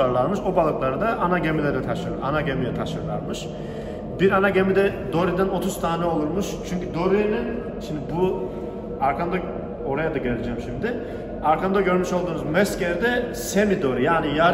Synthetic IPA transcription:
aɾlˠaɾmɯʃobalˠɯklˠaɾɯd̪aʔːnaɟemilʲɛd̪ɛt̪ʰaʃɯanaɟemilʲɛt̪ʰaʃɯɾlˠa̰ɾmɯʃ | biɾanaɟemid̪ɛd̪o̞ɾid̪æno̞t̪ʰuzt̪ʰaːnɛo̞lˠuɾmuʃt͡ʃʰyɲcʰyd̪o̞ɾinin | ʃimd̪ɪbu | aɾkʰand̪a | o̞ɾajad̪aɟeɾlʲed͡ʒɛːmʃimd̪ɪ | aɾkʰand̪aɟø̞ɾmyʃo̞lˠd̪uːnuzmɛsceɾd̪ɛsemid̪o̞ɾijaːnija

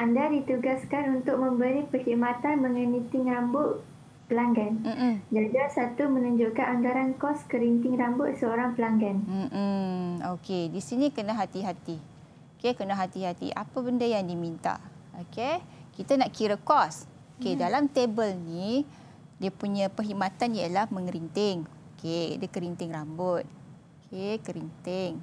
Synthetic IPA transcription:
ʔandadit̪uɡaskanunt̪ʊk̚mə̃mbəɾipəhiʔmat̪anmə̃ŋənit̪ɪŋɾambʊʔ | pəlaŋɡanm̩m̩d͡ʒad͡ʒasat̪umənuɲd͡ʒʊʔkanaŋɡaɾankɔskəɾint̪ɪŋɾambʊʔsəoɾaŋpəlaŋɡanm̩ʔm̩okedisinĩkənaɦat̪iɦat̪i | okekənaɦat̪iɦat̪ḭʔa̰pabəndəjaŋdimint̪a̰ʔ | okekit̪anaʔkiɾəkɔs | okedalamt̪ebəlni | diəpuɲãpəɦimat̪anjalahmə̃ŋɾint̪ɪŋ | okea̰dəkəɾint̪ɪŋɾambʊt̪̚okʰekəɾint̪ɪŋ

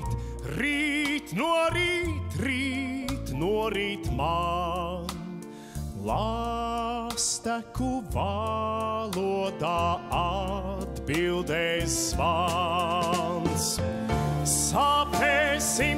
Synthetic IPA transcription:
t̪ | ɾit̪nuɔɾiːt̪ɾiːt̪nuɔɾiːt̪ma | la | st̪ækuva | lˠuɔd̪aad̪bilˠd̪ɛsːva | ns | sapɛsi

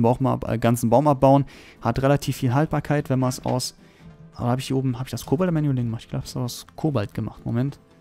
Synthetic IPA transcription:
baʊma̰pə̰ɡant͡sn̩baʊmap̚b̥aʊən | hatʁelatʰiːfːiːlɦalt̚b̥aːɐkʰaɪtvɛnmansa̰ʊs | ʔa̰ːbahaːbɪçd̥iːʔoːbm̩ɦaːbɪçd̥askʰoːbaltmɛnjulɪŋəmaχtɪ̥çɡ̥abhḁsskʰoːbaltɡ̥əma̰χtmo̰mɛnt

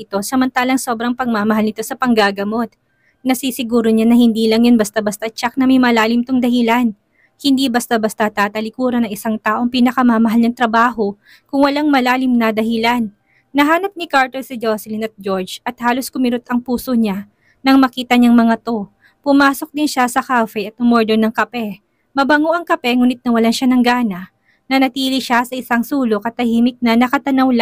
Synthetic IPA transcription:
ɪt̪o̞sɐmɐnt̪aːlɐŋso̞ːbɾɐŋpɐɡ̚mamɐɦalnɪt̪o̞sɐpɐŋɡaːɡɐmo̞t̪̚ | nɐsisɪɡuːɾoɲanɐhɪnd̪iːlɐŋjonbɐst̪abɐst̪ɐt͡ʃak̚nɐmɐjmɐlaːlɪmt̪oŋd̪ɐhɪlan | hɪnd̪ibɐst̪abɐst̪at̪aːt̪ɐlɪkuːɾɐnɐŋɪsaŋt̪aːʔo̞ŋpiːnɐkɐmamɐɦalnɐŋt̪ɾɐbaːho̞ | kʊŋwɐlaŋmɐlaːlɪmnɐd̪ɐhɪlanː | ɐɦaːnɐp̚nɪkaɹt̪olsɪd͡ʒoslɪnɐt̪̚d͡ʒoɹd͡ʒɐt̪̚haːlo̞skʊmɪɾot̪ɐŋpuːso̞ɲa | nɐŋmɐkiːt̪ɐɲaŋmɐŋat̪o̞ | pʊmaːso̞k̚d̪ɪnʃasɐkafɛjʔɐt̪ʔɐmɔɹd̪onɐŋkɐpɛ | mɐbɐŋoʔɐŋkɐpɛŋuːnɪt̪̚nɐwɐlanʃanɐŋɡaːnɐʔ | nɐnɐt̪iːliʃasɐʔɪsaŋsuːlo̞kɐt̪ːɐhiːmɪk̚nɐnɐkɐt̪ɐnɐwla

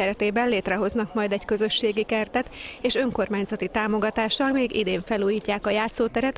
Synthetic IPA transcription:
ɛɾɛt̪eːbɛnleːt̪rɛɦo̞znɒkmɒjd̪ɛɟkø̞zø̞ʃːeːɡikɛrt̪ɛt̪eːʃø̞ŋko̞rmaːɲzɛt̪it̪aːmo̞ɡɒt̪aːʃɒlmeːɡḭd̪eːɱfɛluːjiːcːaːkɒjaːt̪soːt̪ɛɾɛt̪

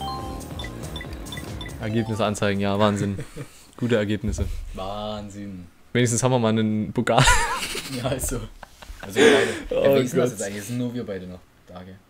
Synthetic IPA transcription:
ʔɛɐɡeːpnɪsəant͡saɪɡŋ̩jaːvaːnzɪn | ɡ̥uːtəɛɐɡeːpnɪsəvaːnzɪn | veːnɪçs̬tn̩shaːmviːɐmaːlnənpʰokʰaːljaːzoːʔalzoaɪdəoɐ̰ɡɔtɛsʔaɪɡŋ̩lɪçz̥ɪnnuːɐviːɐbaɪɾənɔχ | d̥aːɡə

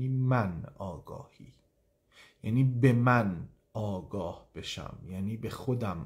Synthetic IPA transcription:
iːmænɒːɡɒ̰ːhiː | jæːniːbe̞mæn | ɒːɡɒːhb̥e̞ʃæ̰mjæːniːbe̞xod̪æm

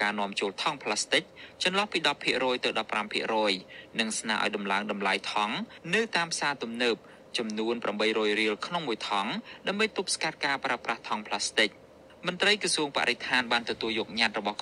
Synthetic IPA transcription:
kaːnŏəmt͡ɕoːlt̪ʰɑŋpʰlast̪ɨk̚t͡ɕɑnlɑhpiːɗɑpʰːiəʔrɔːjt̪ɨwɗɑpːrampʰḭəʔrɔːjnɨŋsnaːʔa̰ːjɗɑmlaəŋɗɑmlajt̪ʰɑŋnɨwt̪aːmpʰsaːt̪umnəːp̚ | t͡ɕɑmnuənpramɓəjrɔːjriəlkʰnoŋmuəjt̪ʰɑŋɗaəmɓəjt̪up̚skat̪̚kaːpraəpraht̪ʰɑŋpʰlast̪ɨk̚ | mŏnt̪rəjkrɑsuəŋpa̰ʔɾʔet̪ʰaːnɓaːnt̪ɔt̪uəljɔːk̚ɲat̪̚rɔɓɑhk

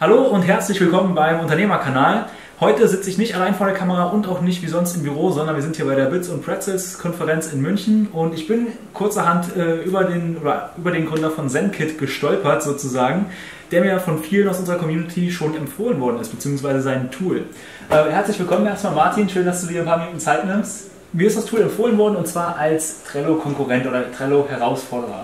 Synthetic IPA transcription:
haloːʊntɦɛɐt͡slɪçv̥ɪlkʰɔmənbaɪmʔʊntɐneːmɐkʰanaːl | hɔʏtəzɪt͡səɪçnɪçtalaɪnfoːɐɾeɐkʰaməʁaʔʊntaʊxnɪçtv̥iːzɔnstɪmbyʁoːzɔndɐnviɐzɪnthiɐbaɪɾeːɐbɪt͡sʊntpʁ̥ɛksɛskʰɔnfəʁɛnt͡sɪnmʏnçn̩ʊntɪçb̥ɪn | kʰʊɐt͡sɐɦantɛːʔyːbɐdeːnoːdɐ̰ʔyːbɐɾeːnɡʁʏndɐfɔnzɛnkʰɪtɡ̥əʃtɔlpɐtz̥oːt͡suzaːɡŋ̩ | d̥eːɐmiːɐjafɔnfiːlənaʊsʔʊnzəʁɐkɔmjuːnɪtʰiʃoːnɛmfoːlənvɔɐdn̩ɪstb̥ət͡siːʊŋsv̥aɪzəzaɪntʰuːl | ʔɛːhɛɐt͡slɪçv̥ɪlkʰɔmənʔeːɐstmaːlmaɐtʰiːnʃøːndasd̥uːdiːɐɪnpʰaːmɪnuːtn̩t͡saɪtnɪmst | miɐɪstd̥astʰuːlɛmfoːlənvɔɐdn̩ʊntt͡sv̥aːɐʔalstʁ̥ɛlokʰɔŋkuʁɛntʔoːdɐtʁ̥ɛlohɛʁaʊsfɔɐɾəʁɐ̰

